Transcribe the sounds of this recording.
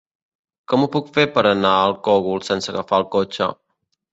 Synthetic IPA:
kɔmupukfepəɾənaəlˠkɔɣulˠsɛnsəɣəfaəlˠkot͡ʃə̰

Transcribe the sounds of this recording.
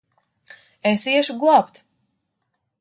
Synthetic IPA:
esiɛʃuɡlˠapt̪

